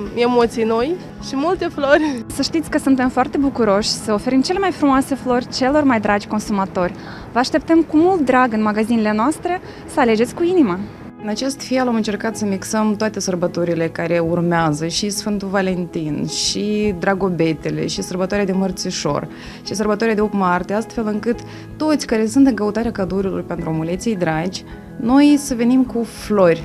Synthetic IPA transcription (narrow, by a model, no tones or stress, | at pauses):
e̞mot̪sijnoj | ʃimult̪e̞florʲsəʃt̪it̪sʲkəsunt̪e̞mfoart̪e̞bukuɾo̞ʃʲsəofe̞ɾimt͡ʃele̞majfɾumoase̞flo̞rʲt͡ʃe̞lo̞rmajd̪ɾad͡ʒʲko̞nsumat̪o̞rʲ | vəaʃt̪e̞p̚t̪əmkumult̪̚d̪ɾaɡɨnmaɡazinele̞noast̪ɾe̞ | səale̞d͡ʒesʲkuinima | ɨnat͡ʃe̞st̪felamɨnt͡ʃe̞rkat̪səmiksəmt̪oat̪e̞sərbət̪uɾile̞kaɾe̞urmeazəʃisfɨnt̪uvale̞nt̪inʃid̪ɾaɡo̞be̞t̪e̞le̞̰ʃisərbət̪oaɾʲead̪e̞mərt̪sʲuʃo̞̰r | ʃisərbət̪oɾead̪eopmart̪east̪fe̞lɨŋkɨt̪ː | o̞t̪sʲkaɾe̞sunt̪ɨŋkəut̪aɾeakad̪uɾilorpe̞nt̪ɾuomulet̪siijd̪ɾad͡ʒʲ | no̞jsəve̞nimkuflo̞rʲ